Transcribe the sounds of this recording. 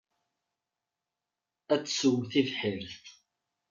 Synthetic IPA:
æt͡sːsəwθivħɪɾθ

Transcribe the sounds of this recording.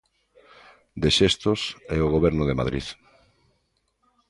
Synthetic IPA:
d̪eʃest̪osɛoɣ̞oβɛɾnoðema̰ðɾḭð

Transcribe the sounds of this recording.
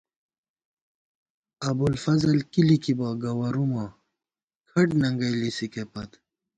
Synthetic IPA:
ɐbulfɐzɐlkilikibaɡɐwɐɾuma | kʰɐʈnɐŋɡɐjlisikepɐt̪

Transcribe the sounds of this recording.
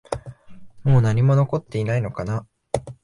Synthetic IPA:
mo̞ːnaɲ̟imo̞no̞ko̞t̪ːe̞inaino̞kana

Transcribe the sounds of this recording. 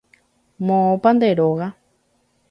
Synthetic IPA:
mõpand̪eɾoɣa

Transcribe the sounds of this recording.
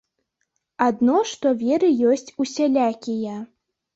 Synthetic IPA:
ad̪nɔʂt̪ɔvʲɛɾɨjɔsʲt͡sʲusʲalʲakʲija

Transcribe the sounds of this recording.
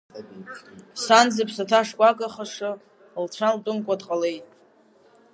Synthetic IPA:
sand͡zɪpʰsatʰaʂkʷʼakʼaχaʂɨ | lt͡ɕʷʰaltʼʊmkʷʼadqʼale̞jtʼ

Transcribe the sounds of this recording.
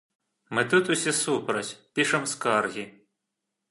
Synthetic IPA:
mɪt̪ut̪ʊsʲɛsupɾɐt͡ɕʲpʲiʃɛmskɑrɣʲi

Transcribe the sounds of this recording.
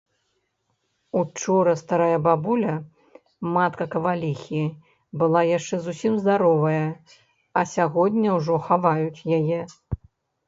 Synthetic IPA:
ut͡ʂɔɾɐst̪aɾajɐbabulʲɐ | mat̪kɐkɐvalʲixʲi | bɨlˠajaʂt͡ʂɛzusʲimzd̪aɾɔvɐjɐ | ɐsʲaɣɔd̪ʲnʲɐwʐɔxavajut͡sʲjajɛ

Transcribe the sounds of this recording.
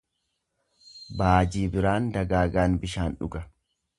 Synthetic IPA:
baːd͡ʒiːbɪɾaːnd̪ɐɡaːɡaːnbɪʃaːnᶑʊ̰ɡɐ

